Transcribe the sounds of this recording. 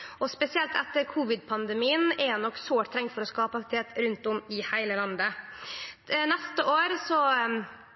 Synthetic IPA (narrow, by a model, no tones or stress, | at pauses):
ɔspɛsɪɛlt̪ʰɛt̪ːəɾkʰuːʋɪd̪̚pʰɑnd̪ɛmiːənɛnɔkːsoːʈt̪ʰɾɛŋt̪fɔɾɔskɑːpəɑkt̪t̪ʰeːt̪ɾʉnt̪ɔmɪhæɪləlɑnd̪ə | nɛst̪əʔoːɾsɔ